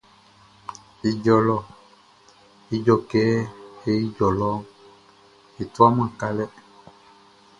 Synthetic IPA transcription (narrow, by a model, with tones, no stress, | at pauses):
i˨d͡ʒɔ˨lɔ˦ | i˦d͡ʒɔ˨kɛ˦e˦i˦d͡ʒɔ˨lɔ˦ | e˨t̪u˦a˦m˦ã˨ka˦lɛ˦